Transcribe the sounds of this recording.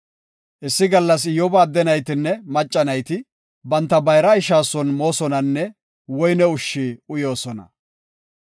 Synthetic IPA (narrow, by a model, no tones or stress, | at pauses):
ʔɪsːɪɡɐlːɐsɪjɔbɐːd̪ːɛnɐjt̪ɪnːɛmɐt͡ʃʼːɐnɐjt̪ɪ | bɐnt̪ːɐbɐjɾɐɪʃaːsɔnmo̞ːsɔnɐnːɛ | wɔjnɛʊʃːiːʊjo̞ːsɔnɐ̰